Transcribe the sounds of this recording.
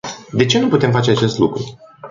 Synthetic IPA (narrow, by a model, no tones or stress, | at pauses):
d̪e̞t͡ʃe̞nuput̪e̞mfat͡ʃe̞at͡ʃe̞st̪lukɾu